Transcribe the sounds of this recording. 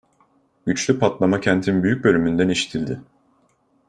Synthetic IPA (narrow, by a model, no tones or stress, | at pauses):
ɟ̥yt͡ʃlʲypʰat̪lˠamacʰɛnt̪ʰinbyjyc̚bø̞lʲymynd̪æniʃi̥t̪ʰilʲd̪ɪ